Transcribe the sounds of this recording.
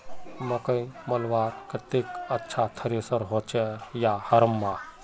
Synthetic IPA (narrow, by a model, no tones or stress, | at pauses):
mɐkə̃j̃mɐlʋaːɾkət̪eːkɐtːʃʰat̪ʰəɾisəɾɦot͡ʃʰejahɐɾəmːa